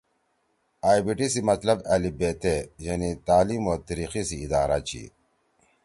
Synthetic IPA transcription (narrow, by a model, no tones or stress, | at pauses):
aːjbiʈisimɐt̪lɐbɐlibeːt̪ejɐnit̪aːliːmoːt̪ɐɾiːxisiːd̪aːɾat͡ɕʰḭ